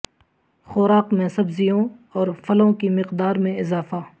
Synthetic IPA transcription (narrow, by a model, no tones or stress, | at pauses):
xoːɾaːqmẽsɐbzijõɔːɾfʰɐlõkimɪqd̪aːɾmẽɪzaːfaː